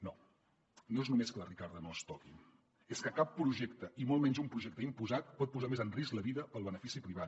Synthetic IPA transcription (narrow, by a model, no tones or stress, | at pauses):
no | noeznumeskələrikaɾðənost̪ɔki | eskəkapːɾuʒɛkt̪əʔimolˠmɛɲzumpɾuʒɛk̚t̪əimpuzat̪̚pɔt̪̚puzamezənrisləβiðəpəlˠβ̞ənəfisipɾiβ̞at̪